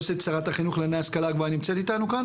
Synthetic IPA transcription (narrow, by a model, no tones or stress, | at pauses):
set͡saʁat̪aχinuχlenejaskalaɡvaʁnimt͡se̞t̪it̪anukan